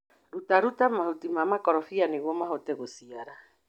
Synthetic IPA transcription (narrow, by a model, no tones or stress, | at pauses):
ɾutaɾutamahutimamakɔɾɔfianiɣwɔmaɦɔtɛɣosiaɾa